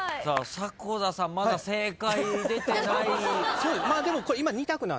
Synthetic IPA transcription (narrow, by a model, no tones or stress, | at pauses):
saːsakoːzasãmːad̪aseːkaid̪e̞t̪enaisoːmaːd̪e̞mo̞ko̞ɾeimaɲ̟it̪akɯ̟na̰